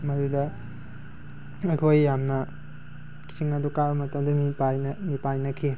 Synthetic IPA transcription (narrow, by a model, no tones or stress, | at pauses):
mɐdudɐ | ɐjkʰojːamnɐ | ki̥siŋɐdukabɐmɐtɐmdɐmipajnmipajnɐkʰi